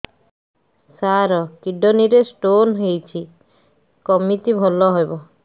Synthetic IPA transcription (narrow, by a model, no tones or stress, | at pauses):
saɾɔkiɖoniɾesʈonɦejt͡ɕʰi | kɔmːit̪ibʱɔlːɔɦɔjbɔ